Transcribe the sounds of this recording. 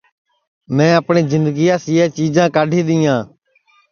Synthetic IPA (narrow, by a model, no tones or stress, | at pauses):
mɛ̃ːəpɳiːzɪnd̪əɡijaːsiːɛːt͡ʃiːd͡ʒãːkaːɖʱĩːd̪iːjãː